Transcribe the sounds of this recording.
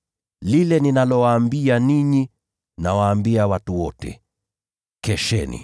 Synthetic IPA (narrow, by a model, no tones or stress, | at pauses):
lilɛninalɔwaːmbianiɲi | nawaːmbiawatuwɔtɛ̰ | kɛʃɛnḭ